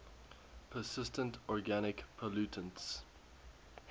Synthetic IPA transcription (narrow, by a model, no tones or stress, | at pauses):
pʰəsɪstə̃ntɔɹɡanɪkpʰəlʉtʰə̃nts